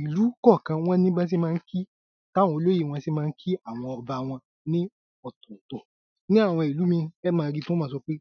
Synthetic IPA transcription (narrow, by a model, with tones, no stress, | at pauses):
i˨lu˨˦kɔ˦˨kã˧w̃ɔ̃˦nĩ˦ɡ͡bã˦s̬i˦mãː˦˧n̩˦kʰi˦ | ta˦˨wɔ̃˧o˧lo˦ji˦˨w̃ɔ̃˧si˦mãː˦˧n̩˦kʰi˦a˦˨w̃ɔ̃˧ɔ˧ba˧˨w̃ɔ̃˧ | nĩ˦ | ɔ˦˨tũ˨tõ˨ | nĩ˦a˦˨w̃ɔ̃˧i˨lu˨˦mĩ˧ɛ˦mãː˨˧ɾi˦tũ˦ãː˨˦˧sɔ˧˦k͡pe˦